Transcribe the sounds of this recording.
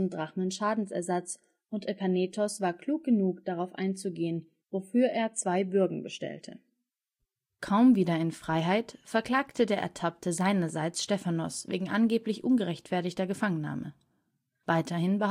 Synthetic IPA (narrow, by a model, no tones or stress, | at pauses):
ndʁaχmənʃaːdn̩sɛ̰ɐzat͡s | ʔʊntʔɛpaneːtʰɔsv̥aːɐkl̥uːk̚ɡ̥ənuːkd̥aʁaʊfʔa̰ɪnt͡suɡeːən | vofyːɐʔeːɐt͡sv̥aɪbʏɐɡŋ̩bəʃtɛ̰ltʰə̰ | kʰaʊmviːdɐɪnfʁ̥aɪɦaɪtfɛɐkl̥aːktʰədeːɐʔɛ̰ɐtʰap̚tʰəzaɪnɐzaɪt͡sʃtɛfanɔ̰svḛːɡŋ̩ʔanɡeːplɪçʔʊnɡəʁɛçtfɛɐtɪçtɐɡəfaŋənːa̰ːmə̰ | vaɪtʰɐhɪnbə